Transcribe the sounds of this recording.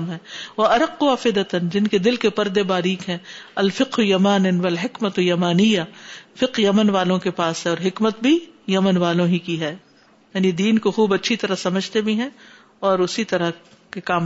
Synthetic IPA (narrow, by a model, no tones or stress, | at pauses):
mɦɛ̃ːʋɐɐɾɐqːuɐfɪd̪ət̪ənd͡ʒɪnked̪ɪlkepɐɾd̪ebaːɾiːkɦɛ̃ːɐlfɪqɦjɐmaːnnʋɐlɦɪkmɐt̪jɐmaːnɪjːafɪqjɐmənʋaːlõkepaːsɦɛ̃ɔːɾɦɪkmət̪̚bʱijɐmənʋaːlõɦikiɦɛː | jaːnid̪iːnkoxuːbɐtːʃʰit̪ɐɾasɐməd͡ʒʱt̪ebʱĩɦɛ̃ | ɔːɾʊsit̪ɐɾa | kekaːm